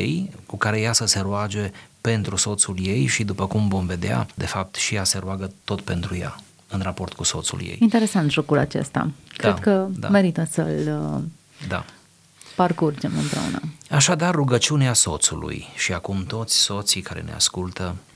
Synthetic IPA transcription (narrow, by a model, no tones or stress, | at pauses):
jḛjkukaɾe̞jasəse̞ɾuad͡ʒe̞pe̞nt̪ɾuso̞t̪sulje̞jʃid̪upəkumvo̞nve̞d̪ea̰d̪e̞fap̚t̪ʃijase̞ɾuaɡət̪o̞t̪pe̞nt̪ɾuja̰ | ɨnrapo̞rt̪kuso̞t̪sṵljḛjint̪e̞ɾe̞sant̪ʒo̞kulat͡ʃe̞̰st̪a̰kɾkəd̪a̰me̞ɾit̪əsə̰l | d̪a̰ | parkurd͡ʒemɨmpɾḛṵnə̰aʃad̪arːuɡət͡ʃiuneaso̞t̪sṵlṵjʃiakumt̪o̞t̪sʲso̞t̪sikʰaɾḛnḛa̰skult̪ə